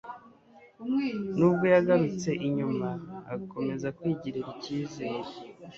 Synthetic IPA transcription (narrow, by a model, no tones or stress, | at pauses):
nubɡo̞jaɡaɾut͡se̞ʔiɲumaːko̞me̞zakwiɟiɾeɾiciːzeːɾe